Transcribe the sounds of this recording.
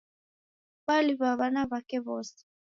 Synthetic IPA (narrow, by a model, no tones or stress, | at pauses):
βaliβaβanaβakɛβɔːsɛ̥